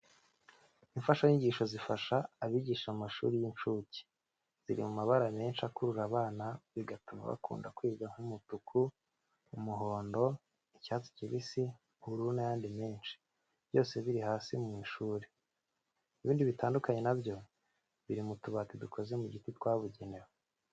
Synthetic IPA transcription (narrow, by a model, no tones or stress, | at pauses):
iɱfaʃajiɲɟiːʃo̞zifaʃaːβiɟiːʃamumaʃṵɾijint͡ʃuci̥ | z̥iɾḭmumaβaɾame̞ːnʃakuɾuɾaβaːnaβiɡatuma̰βa̰kṵːnda̰kwiːɡaŋ̥humutukʰu | umuɦo̞ːndo̞ | icaːzi̥ciβisi | huɾunajaːndimeːnʃi̥ | β̥jo̞ːse̞βiɾihaːsimiʃuːɾe | iβiːndiβitaːndukaɲe̞nabjo̞ | βiɾimutuβatidukʰo̞ze̞muɟititwaːβuɟene̞wo